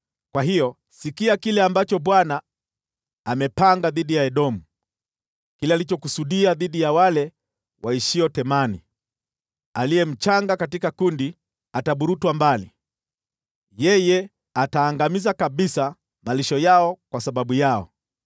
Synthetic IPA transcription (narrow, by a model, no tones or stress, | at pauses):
kwaɦijɔ | sikiakilɛambat͡ʃɔɓwanaː | mɛpaŋɡaðiɗijaɛɗɔmu | kilɛalit͡ʃɔkusuɗiaðiɗijawalɛ | wʔaiʃiɔtɛmani | alijɛm̩t͡ʃaŋɡakatikakundi | ataɓuɾutwambali | jɛjɛ | ataːŋɡamizakaɓisa | maliʃɔjaɔkwasaɓaɓujaɔ̰